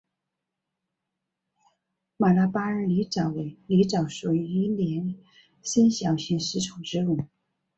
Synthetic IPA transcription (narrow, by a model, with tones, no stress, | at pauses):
ma˨˩la˥pa˥ə˞˧˩li˧˥ʈ͡ʂɑ˨˩ʊwe˧˩ɪli˧˥ʈ͡ʂɑ˨˩ʊʂu˨˩y˧i˥ljɛ˧˥n | ɕə˥nɕjɑ˨˩ʊɕi˥˩nʂɻ̩˧˥ʈ͡ʂʰʊ˨˩ʊʈ͡ʂɻ̩˥lu˨˩˦